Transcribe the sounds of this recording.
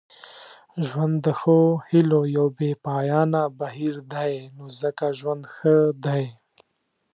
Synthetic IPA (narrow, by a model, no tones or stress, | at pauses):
ʒwand̪ːəxohilojawbepɑːjɑnabaɦiɾd̪aenozəkaʒwand̪xəd̪ae